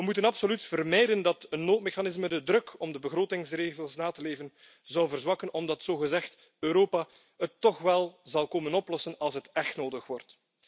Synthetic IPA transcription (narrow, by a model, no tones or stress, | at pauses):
ʋəmutənɑpsolytfərmɛjdəndɑtənːoːt̚mexanɪzmədədɾɵkʰɔmdəbəɣroːtɪŋsreːɣəlˠsnaːtəleːvən | zɑwvərzwɑkənɔmdɑtsoːɣəzɛxt | øːɾoːpa | ətːɔxʋɛlˠzɑlˠkoːmənɔplɔsənɑlˠsɦətɛxtnoːdəxʋɔrt